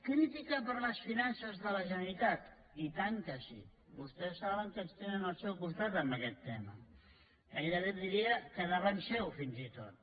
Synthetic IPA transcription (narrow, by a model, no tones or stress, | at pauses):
kɾit̪ikəpəɾləsfinansəzðələʒənəɾit̪at̪ | it̪aŋkəsḭ | βust̪ɛsːaβəŋkənst̪enənəlˠsɛwkust̪at̪əmbəkɛt̪ːɛmə̰ | eʎəðd̪iɾiəkəðəβənsɛwfinzit̪o̰t̪̚